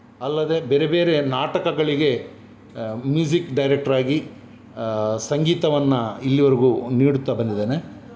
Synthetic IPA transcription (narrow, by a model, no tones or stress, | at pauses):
ɐlːɐd̪e̞beɾebe̞ːɾe̞naːʈɐkɐɡɐɭiɡe̞ | mjuːd͡ʒikɖɐjɾek̚ʈɐɾaːɡi | sɐŋɡiːt̪ɐʋɐnːɐilːiʋɐɾiɡuniːɽut̪ːɐbɐnd̪id̪eːne